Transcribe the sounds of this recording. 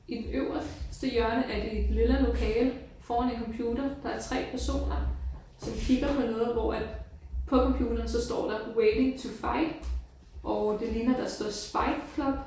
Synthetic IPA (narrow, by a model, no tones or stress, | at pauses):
ʔid̥enøʊɐssd̥əjɶɐnəʔæɐd̥e̝ed̥liləlo̝kʰɛːlfɒːæne̝nkʰɒ̽mpʰjuːd̥ɐd̥ɑ̈æɐt͡sʰʁɛ̰ːpʰæɐso̝̰ːnɐ | sɒ̽mkʰiɡ̥ɐpʰɒ̽nɔːðˠʋɒæd̥pʰɒ̽kʰɒ̽mpʰjuːd̥ɐːnsɒ̽sd̥ɒ̰ːd̥ɑ̈weːde̝ŋt͡sʰufɑ̈ɪd̥ | ʔɒʊd̥e̝linɐd̥ɑ̈sd̥ɒ̰sb̥ɑ̈ɪd̥kʰlɒ̽b̥